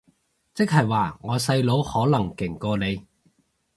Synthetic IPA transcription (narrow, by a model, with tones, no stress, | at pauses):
t͡sɪ˥k̚ɦɐ˨jwaː˨ŋɔː˨˧sɐ˧jlo˨˥whɔː˨˥lɐ˨˩ŋkɪ˨˩ŋkɔː˧le˨˧j